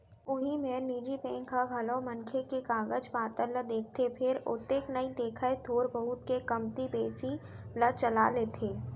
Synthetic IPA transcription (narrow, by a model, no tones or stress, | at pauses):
ʊɦimẽniːd͡ʒipẽːŋkʰaɡʱɐloːmɐnkʰekekaːɡəd͡ʒpaːt̪ələd̪eːk̚ʰt̪ʰepʰɪɾʊ̰t̪eːknɐid̪eːkʰaed̪ʱoːɾbəɦʊt̪kekɐmt̪ibeːsi | lət͡ʃɐlaleːt̪ʰeː